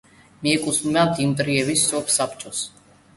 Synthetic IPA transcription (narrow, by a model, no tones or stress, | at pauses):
miɛkʼusmmat̪ʰimt̪ʼɾiɛvisːɔpʰsapt͡ʃʼɔs